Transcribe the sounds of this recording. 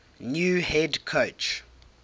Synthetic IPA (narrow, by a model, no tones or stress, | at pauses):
njuːhɛdkʰot͡ʃ